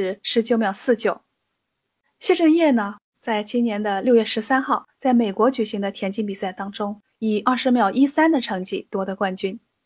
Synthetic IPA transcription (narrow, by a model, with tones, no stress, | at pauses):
ʂɻ̩˧˥t͡ɕjo˧˥ʊmjɑ˨˩ʊsɹ̩˥˩t͡ɕjo˨˩˦ʊ | ɕjɛ˥˧ʈ͡ʂɤ˥˧ŋjɛ˥˩nə˩ | t͡sa˥˩ɪt͡ɕi˥nnjɛ˧˥nd̪ə˧ljo˥˧ʊɥɛ˥˩ʂɻ̩˧˥sa˥nxɑ˥˩ʊt͡sa˥˩ɪme˨˩ɪkwɔ˧˥t͡ɕy˨˩ɕi˧˥ŋd̪ə˧t̪ʰjɛ˧˥nt͡ɕi˥npi˨˩sa˥˩ɪt̪ɑ˥ŋʈ͡ʂʊ˥ŋ | i˨˩ɐ˞˥˩ʂɻ̩˧˥mjɑ˨˩ʊʔi˥sa˥nd̪ə˨ʈ͡ʂʰɤ˧˥ŋt͡ɕḭ˥˩t̪wɔ˥d̪ə˧kwa˥˩nt͡ɕy˥n